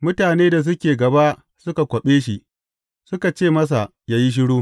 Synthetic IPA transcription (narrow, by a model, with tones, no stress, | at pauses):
mʊ˦taː˨neː˦da˨s̬ʊ˦kʲeː˨ɡɐ˨ba˦ʔ | sʊ˦ka˨kʷɐ˨ɓeː˦ʃi˨ | sʊ˦ka˨t͡ʃeː˦˨mɐ˦s̬a˨ | jaː˦ji˦ʃ̬ɪ˦ɽuː˦